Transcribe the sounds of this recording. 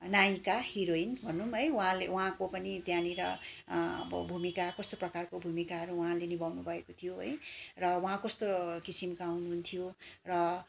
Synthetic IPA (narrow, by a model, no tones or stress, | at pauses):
najkahiɾoinbʱʌnːumɦʌjwuɦãlewuɦãkopʌnit̪jãniɾʌ | ʌ̰bʌ̰bʱumikakʌst̪oprʌkarkobʱumikaɦʌɾuwɦãlenibawnubʱʌekot̪ʰijoɦʌ̰jrʌwuɦãkʌst̪okisimkawnuɦunt̪ʰijorʌ